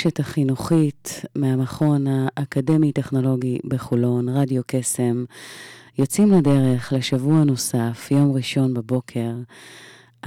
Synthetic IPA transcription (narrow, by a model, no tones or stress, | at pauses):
ʃetaχinuχitmeamaχo̞naʔːkade̞mite̞χno̞lo̞ɡibeχulo̞nʁadjo̞ke̞se̞m | jot͡simlade̞ʁe̞χleʃavuano̞safjo̞mʁiʃo̞nbebo̞kʰe̞ʁ